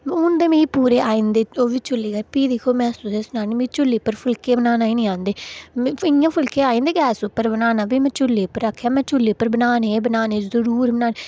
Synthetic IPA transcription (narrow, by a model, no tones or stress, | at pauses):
ʊnd̪eːmĩːpuːɾeːaːĩːnd̪eːoːʋiːt͡ʃʊlːeːɡəɾpiːd̪ekʰoːmɛ̃ːsuːseːsʊnaːneːmĩːt͡ʃʊlːeːpəɾpʰʊlkeːbənaːnaːiːnĩːãːnd̪eːɪãːpʰʊlkeːaːĩːnd̪eːɡɛːsʊpːəɾbənaːnaːbiːmɛ̃ːt͡ʃʊlːeːpːəɾəkʰːjaːmɛ̃ːt͡ʃʊlːeːpːəɾbənaːneːbənaːneːzəɾuːɾbənaːne